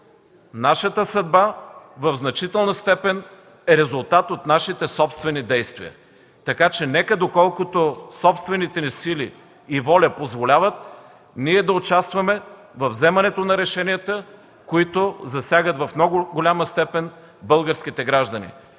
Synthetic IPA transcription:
naʃət̪əsɐd̪bavɐvznɐt͡ʃit̪ɛlˠnɐst̪ɛpɛn | ɛɾɛzʊlˠt̪at̪ot̪naʃit̪ɛsɔpst̪vɛnid̪ɛjst̪vḭə̰ | t̪ɐkat͡ʃɛnɛkəd̪okɔlˠkʊt̪osɔpst̪vɛnit̪ɛnisiliː | vɔlʲəpozvolʲavət̪̚ | niɛd̪ɐot͡ʃast̪vɐmɛ | vɐvzɛmɐnɛt̪onɐɾɛʃɛniət̪ə | koit̪ozɐsʲjaɡət̪vɐfmnɔɡʊɡolʲaməst̪ɛpɛn | bɤlˠɡəɾsk̟it̪ɛɡɾaʒd̪ɐnḭ

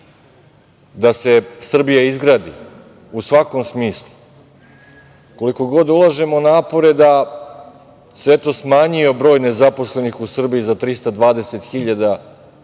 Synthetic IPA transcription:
d̪ase̞sr̩bijaizɡɾaːd̪ḭ | usʋako̞msmiːslˠu | ko̞liko̞ɡo̞d̪ulˠaʒe̞mo̞naːpo̞ɾe̞d̪a | set̪osmaːɲio̞bɾo̞ːjne̞zapo̞sle̞nixusr̩bijizat̪ɾist̪ad̪ʋaːd̪e̞set̪xiʎad̪a

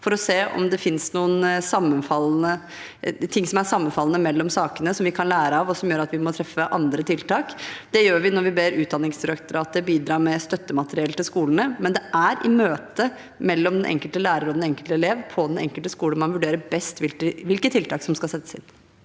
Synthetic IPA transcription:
fɔɾɔseːʔɔ̰md̪ɛfɪnsnuːənsɑmːənfɑlːnə | t̪ʰɪŋːsɔmæʂɑmːənfɑlːənəmɛlːɔmsɑːkənəsɔmʋɪkʰɑnlæːɾəɑʋɔsɔmjøːɾɑt̪ʋɪmɔt̪ʰɾɛfːəʔɑnd̪ɾət̪ʰɪlt̪ɑːkd̪̥ɛjøːɾʋɪnɔɾʋɪbeːɾʉːt̪̚d̪ɑnːɪŋsd̪ɪɾɑkt̪ʊɾɑːt̪əbiːd̪ɾɑːɾmɛst̪œt̪ːəmɑt̪əɾɪɛlt̪ɪlskuːlən̩əmɛnd̪ɛʔæɾʔɪmøːt̪ə | mɛlːɔmd̪ɛnʔɛ̰ŋkəlt̪əlæːɾəɾɔd̪ɛnɛŋkəlt̪əɛleːʋpʰɔd̪ɛnɛ̰ŋkəlt̪əskuːləmɑnʋʉɖeːɾəbɛst̪ʋɪlkəʋɪlkət̪ʰːɪlt̪ɑːksɔmskɑlsɛt̪ːə̥sɪ̰n

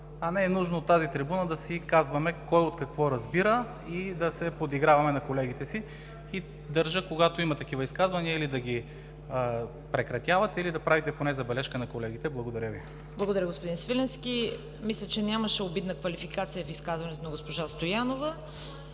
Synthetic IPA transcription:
ɐnɛɛnuʒnoːt̪ːazit̪ɾibunəd̪ɐsikazvɐmɛkɔjot̪kɐkvɔɾɐzbiɾə | id̪ɐsɛpod̪iɡɾavɐmɛnɐkolɛɡit̪ɛsi | i | d̪ɐɾʒəkoɡat̪oimɐt̪ɐkivɐiskazvɐniəilid̪ɐɡʲi | pɾɛkɾɐt̪ʲjavɐt̪ɛilid̪ɐpɾavit̪ɛponɛzɐbɛlɛʃkənɐkolɛɡ̟it̪ɛblˠɐɡod̪ɐɾʲjəvi | blˠɐɡod̪ɐɾəɡospʊd̪insvilɛnski | mislʲət͡ʃɛnʲaməʃɛobid̪nəkvɐlifikat̪sijəfiskazvɐnɛt̪onɐɡospoʒast̪ojanovə

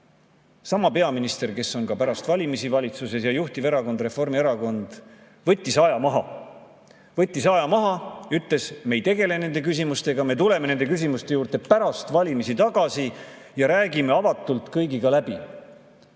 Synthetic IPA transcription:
sɑmɑpe̞ɑminist̪e̞rke̞so̞nkɑpæɾɑst̪vɑlʲimisivɑlʲit̪suse̞sjɑjuht̪ive̞ɾɑko̞nd̪re̞fo̞rmieɾɑko̞nd̪̥ | vɤt̪ʲːˑisɑjɑmɑɦɑ̰ | vɤt̪ʲːˑisɑjɑmɑɦɑyt̪ˑle̞sme̞jt̪e̞ɡe̞le̞ne̞nd̪̥e̞kys̬ʲimust̪e̞ɡɑme̞t̪ule̞me̞ne̞nd̪e̞kys̬ʲimust̪ejuːrt̪epæɾɑst̪vɑlʲimisit̪ɑɡ̥ɑsi | jɑɾæːɡime̞ɑvɑt̪ːˑult̪ˑkɤjɡiɡ̥ɑlæb̥i

